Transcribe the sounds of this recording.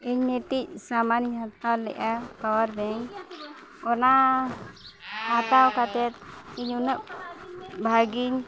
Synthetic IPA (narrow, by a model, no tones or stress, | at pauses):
iɲmeʈic̚samaniɦat̪awlɛ̰ʔakawəɾbɛɲ | ɔna | hat̪awkat̪ɛt̪̚iɲunəʔ̚ | bʱaɡiɲ